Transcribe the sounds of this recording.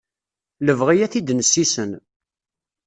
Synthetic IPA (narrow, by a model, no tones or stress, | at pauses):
ləvʁijæθid̪nəsːisən